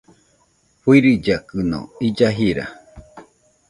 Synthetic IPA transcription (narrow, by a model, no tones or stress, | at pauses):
ɸwiɾid͡ʒakɨno̰id͡ʒaɦiɾa̰